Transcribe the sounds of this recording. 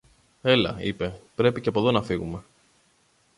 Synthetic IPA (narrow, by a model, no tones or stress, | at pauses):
e̞lɐ̰ḭpe̞pɾe̞piceɐpo̞ðo̞nɐfiɣume̞